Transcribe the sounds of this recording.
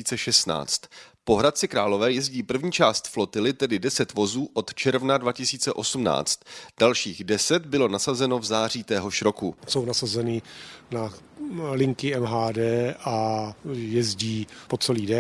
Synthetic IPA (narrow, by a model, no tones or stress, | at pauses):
iːt͡sɛʃɛst̪na̰ːt͡st̪po̞ɦɾat̪̚t͡sɪkɾaːlo̞vɛːjɛzɟiːpr̩vɲiːt͡ʃaːst̪flo̞t̪ɪlɪt̪ɛdɪdɛsɛt̪vo̞zuːʔo̞t̪t͡ʃɛɾvnadvacɪsiːt͡sɛʔo̞sumna̰ːt͡st̪d̥alʃiːɣdɛsɛt̪bɪlo̞nasazɛno̞vzaːriːt̪ɛːɦo̞ʃɾo̞kuso̞wnasazɛnɪna | lɪŋkɪɛmɦaːdɛːʔa | jɛzɟiːpot͡sɛliːdɛ